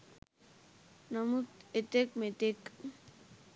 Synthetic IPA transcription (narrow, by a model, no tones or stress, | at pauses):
namut̪et̪ek̚met̪ek